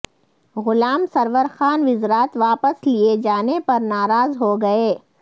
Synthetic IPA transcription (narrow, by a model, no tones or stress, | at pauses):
ɣʊlaːmsɐɾʋəɾxaːnʋɪzɾaːt̪ʋaːpəslied͡ʒaːnepɐɾnaːɾaːzɦoɡɐeː